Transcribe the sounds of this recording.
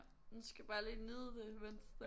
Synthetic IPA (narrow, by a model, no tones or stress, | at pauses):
nusɡ̥æb̥ɑ̈ːliːniðˠəd̥e̝mʋensd̥e